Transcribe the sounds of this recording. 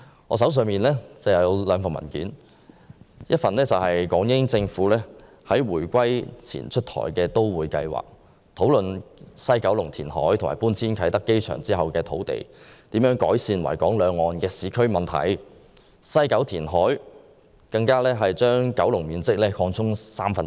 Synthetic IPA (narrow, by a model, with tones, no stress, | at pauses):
ŋɔː˨˧s̬ɐ˨˥ws̬œː˨ŋmiː˨nlɛː˥t͡sɛː˧˩jɐ˨˧wlœː˨˧˥fɐ˨˩mɐ̰˨˩nkḭː˨˥n | jɐ˥t̚fɐ˨nlɛː˥t͡sɐ˨wɦɐ˨jkɔː˨˥ŋjɪ˥ŋt͡sɪ˧ŋfuː˨˥lɛː˥ | hɐ˨˥jwuː˨˩jkʷɐ˥jt͡sʰḭː˨˩nt͡ʃʰɵ˥t̚t̪ʰɔ̰ː˨˩jkɛː˧t̪o˥wwuː˨˧jkɐ̰˧jwa̰ː˨˩k̚ | t̪ʰo˨˥wlɵ˨nsɐ˥jkɐ˨˥wlʊ˨˩ŋt̪ʰiː˨˩nɦɔ̰ː˨˥jt̪ʰma̰ː˨˩puː˥nt͡sʰiː˥nkʰɐ˨˥jt̪ɐ˥kːe˥jt͡ʃʰœ̰ː˨˩ŋt͡siː˥ɦɐ˨wkɛː˧t̪ʰo˨˥wt̪ḛ˨jt̪iː˨˥mjœː˨˥ŋkɔː˨˥jsiː˧nwɐ̰˨˩jkɔː˨˥ŋlœː˨˧ŋɔː˨nkɛː˧siː˨˥kʰɵ˥ɥmɐ˨nt̪ʰɐ̰˨˩j | sɐ˥jkɐ˨˥wt̪ʰiː˨˩nɦɔː˨˥j | kɐ˧ŋkaː˥lɛː˥ɦɐ˨jt͡ʃœː˥ŋkɐ˨˥wlʊ˨˩ŋmiː˨nt͡sɪ˥k̚lɛː˥kʰɔː˧ŋt͡sʰʊ˥ŋsaː˥mfɐ˨n